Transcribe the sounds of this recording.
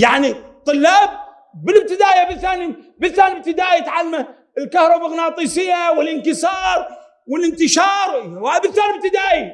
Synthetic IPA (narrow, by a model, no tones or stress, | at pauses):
jaʕnit̪ˤɨlːaːb̚ː | ɪlɪb̚t̪ɪd̪aːjabɪθaːnibɪlθaːnɪb̚t̪ɪd̪aːjt̪ʕalːma | ɪlkahɾˤɑbaɣnɑːt̪ˤiːsɪjːawɪlɪnkɪsɑːɾˤ | wɪlɪnt̪ɪʃɑːɾˤwaːbɪlsaːnɪb̚t̪ɪd̪aːʔi